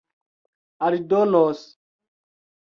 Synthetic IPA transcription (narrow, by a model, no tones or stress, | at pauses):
aɾidɔnɔs